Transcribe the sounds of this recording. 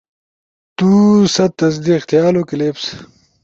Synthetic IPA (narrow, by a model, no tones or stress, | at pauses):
t̪uːsɐt̪ːɐzd̪iqt̪jaːlokileːps